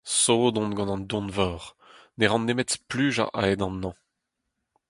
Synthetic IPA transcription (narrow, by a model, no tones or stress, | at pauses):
soːd̪ɔ̃nɡɑ̃nɑ̃nd̪ɔ̃nvɔːʁ | neʁɑ̃nːemɛtsplyːʒa̰ʔa̰ɛd̪ɑ̃nːɑ̃